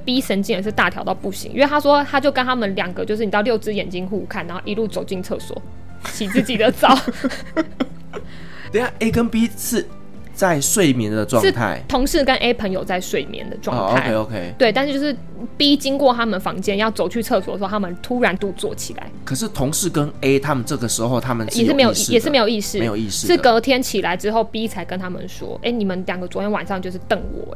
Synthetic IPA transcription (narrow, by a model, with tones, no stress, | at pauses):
pi˥ʂə˧˥nt͡ɕi˥˩ŋə˨˧˩ʂ̬ɻ̩˥˧t̪a˥˩t̪ʰjɑ˧˥ʊt̪ɑ˥˧ʊpu˥˩ɕḭ˧˦ŋḭ˧nwe˥˩˧t̪ʰa˥ʂwɔ˥t̪ʰa˥t͡ɕjo˥˩ʊkə˦˥nt̪ʰa˥mə˨nljɑ˨˩ŋɡə˨˩t͡ɕjo˥˧ʂ̬̩˥˩ni˨˩ɑ˥˧ljo˥ʊt͡sɹ̩˥jɛ˨˩nt͡ɕi˥nxu˥˧kʰa˥˩na˧˦xo˥˩ʊʔi˧lu˥˩t͡so˨ʊt͡ɕi˥˧ŋt͡sʰɤ̰˥˩swɔ̰˨˩˦ | t͡ɕʰi˨˩t͡sɹt͡ɕi˨˩d̪ə˦t͡sɑ˥˦ʊ | t̪e˥˩˨ʔe˥ɪkə˦npi˦˥s̩˥˨ | t͡sa˥˧ɪʂwe˥˩ɪmjɛ̰˨˦nd̪ə˧ʈ͡ʂwɑ̰˥˧ʂɻ̩˥˩t̪ʰa̰˥˩ɪt̪ʰʊ˧˥ŋʂɻ̩˥˩kə˦nʔe˦˥ɪpʰə˧˥ŋjo˨ʊt͡sa˥˧ɪʂwe˥˩ɪmjɛ̰˧˦nd̪ə̰˨ʈ͡ʂwɑ˥˨ŋ˧ŋtʰo˧a˥˦e˧ɪo˧ʊkʰe˦ɪt̪we˥˩ɪt̪a˥˧˥t͡ɕjo˥˧ʊʂɻ̩˥˩ | pi˦˥t͡ɕi˥ŋkwɔ˥˨t̪ʰa˥mə˨nfɑ˧˥ŋt͡ɕjɛ˥˨njɑ˥˩ʊt͡so˨˩ʊt͡ɕʰy˥˧t͡sʰɤ˥˩swɔ˨˩d̪ə˨˧˥a˥mə˨nt̪ʰu˥ɻa˧˦nt̪u˥˧˩t͡swɔ̰˥˩t͡ɕʰḭ˨˩la̰˨˧˦ɪkʰə˨˩ʂɻ̩˥˩t̪ʰʊ˨˧˦ŋʂɻ̩˥˩kə˦ne˥ɪt̪ʰa˦mə˨nʈ͡ʂɤ˥˩ɡə˩ʂɻ̩˧˦˥xo˥˧ʊt̪ʰa˦mə̃˨jʂɻ̩˥˩me˧˥ɪjo˨˧i˥˧˥ɛ˨˩ʂɻ̩˩˨e˧˥jo˨˩ʊi˥˧ʂɻ̩˥˧e˧˦jo˨i˥˧ʂɻ̩˥˨ʂɻ̩˥˩kɤ˧˥t̪ʰjɛ˥nt͡ɕʰi˨˩la˧˦ɪʈ͡ʂɻ̩˥xo˥˩ʊpi˥t͡sʰa˧˥ɪkə˦nt̪ʰa˥mə̰˨nʂwɔ̰˥ʔḛ˥˩ɪni˨˩mə˨˦nljɑ˨˩ŋɡə˩t͡swɔ˧˥t̪ʰjɛ˥nwa˨˩nʂɑ˥˧ŋt͡ɕjo˥˧ʊʂ̬̩˥˨t̪ə˥˨˩ŋwɔ̰˨˩